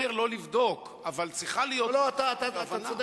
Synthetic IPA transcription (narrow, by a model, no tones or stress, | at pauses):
eʁlo̞livd̪o̞k | avalt͡sʁiχalijoloat̪at̪avaanad̪